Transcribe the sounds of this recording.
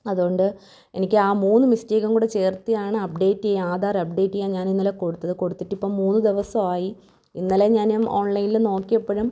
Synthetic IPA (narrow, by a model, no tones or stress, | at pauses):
ɐðuɣo̞ɳɖɨ | e̞̰nikʲːɨaːmuːnːɨmisteːɣɐmkuːɽet͡ɕe̞ːrt̪ːijaːɳɨɐp̚ɖe̞ːtːijeaːd̪aːrɐp̚ɖe̞ːtːijaɲaːninːɐleko̞ɽut̪ːɐðɨko̞ɽut̪ːiʈːipːo̞ːmuːnːɨd̪iʋɐsɐmaːji | inːɐleɲaːnumoːɳlɐjnilno̞ːkːijɐpːeɻum